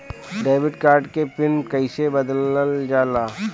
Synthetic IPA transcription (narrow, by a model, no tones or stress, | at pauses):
ɖeːʋɪʈkaːɾɖkepɪnkɐɪsebɐd̪ləld͡ʒaːlaː